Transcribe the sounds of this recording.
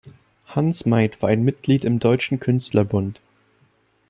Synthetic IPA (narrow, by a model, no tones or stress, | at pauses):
hansmaɪtv̥aːaɪnmɪt̚ɡ̥liːtɪmdɔʏt͡ʃn̩kʰʏnstlɐbʊnt